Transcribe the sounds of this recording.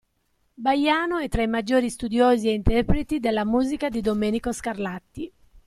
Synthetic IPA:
bajaːnoɛt̪ːɾaimad͡ʒːoːɾist̪ud̪joːzieint̪ɛrpɾet̪id̪elːamuːzikad̪id̪omeːnikoskarlat̪ːi

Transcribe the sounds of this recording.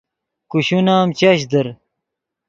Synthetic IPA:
kuɕunaːmt͡ɕɐɕ̬d̪ɐɾ

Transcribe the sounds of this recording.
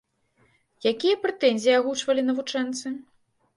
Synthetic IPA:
jakʲijɐpɾɛt̪ɛnʲzʲijaɣut͡ʂvɐlʲinɐvut͡ʂɛnt̪sɨ

